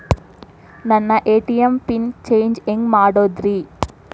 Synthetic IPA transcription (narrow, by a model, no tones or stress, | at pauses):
nɐnːɐʔeːʈijɐmpint͡ʃejɲd͡ʒeŋɡmaːɽod̪ɾi